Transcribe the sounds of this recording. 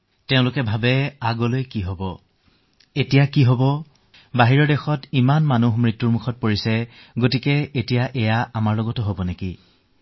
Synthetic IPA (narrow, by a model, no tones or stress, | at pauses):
teʊ̃lʊkɛbʱabɛaɡɔlojkiɦobɔ | etijakiɦobɔ | baɦiɹɔdexɔtimanmanuɦmɹitːuɹmuxʰɔt̚poɹisɛ | ɡotikɛetijaʔɛjaamaɹlɔɡɔtɔɦobɔneki